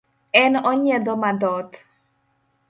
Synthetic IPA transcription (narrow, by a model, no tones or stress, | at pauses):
ɛnɔɲɛd̪ɔmad̪ɔt̪